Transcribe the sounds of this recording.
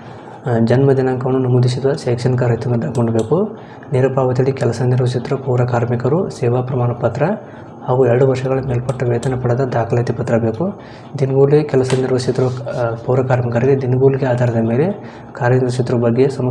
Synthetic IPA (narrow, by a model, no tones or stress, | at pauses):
d͡ʒɐnmɐd̪jɐnɐŋkɐʋɐnːunɐmud̪isid̪ʋɐʃɛːkʂɐnkaːɾɐt̪ɐnɡɐd̪ɐkoɳɖɐbeːku | niɾɐpaːʋɐt̪iɽikɛlɐsɐniɾʋɐs̬it̪ɾuɐpuːɾɐkaːɾmikɐɾusɛːʋaːpɾɐmaːnɐpɐt̪ɾɐ | haːɡuɛɭɐɽuʋɐɾʂɐɡɐɭɐmeːlpɐʈːɐʋɛːt̪ɐnɐpɐɽɐd̪ɐd̪aːkʰɐlɐt̪ipɐt̪ɾɐbeːku | d̪inɡuːlekɛlɐsɐniɾʋɐt͡ʃit̪ɾuʋɐpuːɾɐkaːɾmikɐɾiɡed̪inɡuːlɡeaːd̪ʱaːɾɐd̪ɐmeːle̞ | kaːɾɐniɐt͡ʃit̪ːɾɐʋɐbɐɡːesɐmɐ